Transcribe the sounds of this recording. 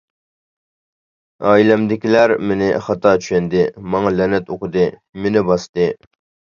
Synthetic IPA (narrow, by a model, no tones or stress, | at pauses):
ɑːilɛmd̪ɪkʲilæɾmenɪχɑt̪ʰɑt͡ʃʰy̥ʃɛnd̪ɪmɑŋɑlɛnɛt̪oqʰəd̪ɨmenɪbɑst̪ɨ